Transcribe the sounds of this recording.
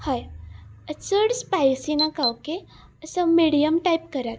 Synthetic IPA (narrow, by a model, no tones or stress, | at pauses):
hajət͡səɽspajsinakawke | əsəmiɽijəmʈajp̚kəɾat̪